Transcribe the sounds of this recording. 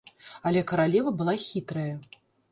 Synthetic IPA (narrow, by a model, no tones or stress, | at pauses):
ɐlʲɛkɐɾalʲɛvɐbɨlˠaxʲit̪ɾɐjɐ